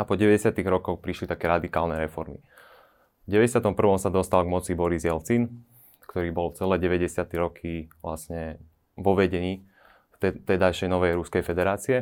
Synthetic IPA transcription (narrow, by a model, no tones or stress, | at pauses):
apɔɟɛʋɛɟɛsɪat̪iɣɾɔkɔxpɾiʃlit̪akɛːɾad̪ikaːlnɛɾɛfɔɾmḭ | vɟɛʋɛɟɛsɪat̪ɔmpr̩ʋɔmsad̪ɔst̪alɡmɔt͡sibɔɾizjɛlt͡sin | kt̪ɔɾiːbɔlt͡sɛlɛːɟɛʋɛɟɛsɪat̪ɛɾɔkʰiʋla̰sɲɛ | ʋɔʋɛɟɛɲiː | t̪ɛt̪ɛjd̪ajʃɛjnɔʋɛjɾuskɛjfɛd̪ɛɾaːt͡siɛ